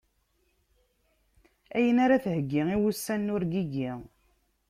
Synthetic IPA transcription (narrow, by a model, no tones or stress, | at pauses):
æjənaɾaθhəɡːiiwusːænːʊɾɡiɡi